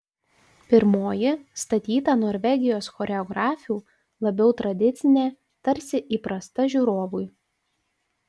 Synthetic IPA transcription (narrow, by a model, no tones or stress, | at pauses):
pʲɪɾmoːjɪst̪ɐt̪ʲiːt̪ɑːnoːɾʲʋʲɛɡʲɪjoːsxɔːɾʲɛɔɡɾɑːfʲuː | lˠɐbʲɛʊt̪ɾɐd̪ʲɪt̪sʲɪnʲeː | t̪ɐɾʲsʲɪʔiːpɾɐst̪ɐʒʲuːɾoːʋʊj